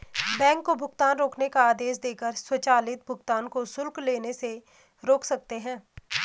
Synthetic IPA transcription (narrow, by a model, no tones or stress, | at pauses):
bɛ̃ːŋkːobʱʊɡt̪aːnɾoːknekaaːd̪eːs̬d̪eːkəɾswət͡ʃaːlɪt̪̚bʱʊɡt̪aːnkosʊlkleːnese | ɾoːkʰsɐk̚t̪eɦɛ̃ː